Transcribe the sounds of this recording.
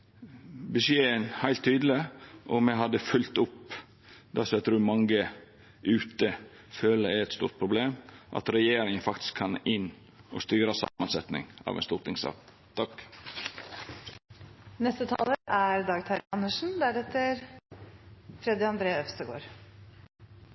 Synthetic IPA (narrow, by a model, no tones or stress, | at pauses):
bəsjeːənhæɪlt̪ʰːyːd̪l̩ɪʔɔmɛɦɑd̪əfʉlt̪ʊp | d̪æɾsɔæt̪ʰɾʉːɾmɑŋɡə | ʔʉːt̪ə | føːləɾæɛt̪st̪ṵːɾt̪̚pʰɾʊbleːmʔɑ̰t̪ɾɛjeːɾɪŋənfɑkt̪ɪ̥skʰːɑnɪnː | ɔst̪yːɾəsɑ̰mɑnsɛt̪nɪ̰ŋɑ̰ːʋɛ̰nst̪uːɾt̪ʰɪŋsɑ̰ːk | t̪ʰɑk | nɛst̪ət̪ʰɑ̰ːləʔæɾd̪ɑːɡt̪ʰɑɾɪɑnːəʂn̩d̪æɾɛt̪ːəɾ | fɾɛd̪ɪɑnd̪ɾeːœfst̪əɡo̰ːɾ